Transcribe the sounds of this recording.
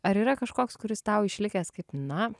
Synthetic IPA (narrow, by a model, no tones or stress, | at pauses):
ɐɾiːɾɐkɐʃkoːkskʊɾʲɪst̪ɐʊɪʃʲlʲɪkʲeːskɐɪpnɐ